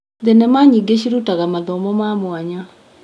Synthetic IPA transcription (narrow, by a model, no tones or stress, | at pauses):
denɛmaɲiɡeɕ̬iɾutaɣamaðɔmɔmamwaɲa